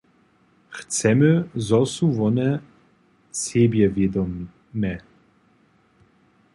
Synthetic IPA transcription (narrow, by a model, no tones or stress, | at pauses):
xt͡sɛməzɔsuvɔnɛ | sebjɛvjɛd̪ɔm | nɛ